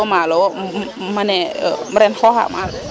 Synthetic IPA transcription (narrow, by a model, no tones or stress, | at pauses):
maːlɛwa | manɛʔɤːɾɛnkʰɔːha̰ːmʔaːk̚